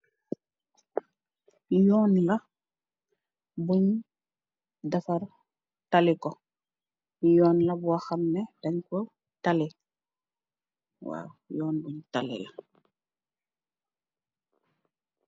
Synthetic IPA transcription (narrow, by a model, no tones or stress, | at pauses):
jɔːnlɐ | buɲ | dafaɾ | talikɔ | jɔːnlɐbuaxɐmnɛdaɲko | tali | wa̰wjɔːnbuɲtalḭla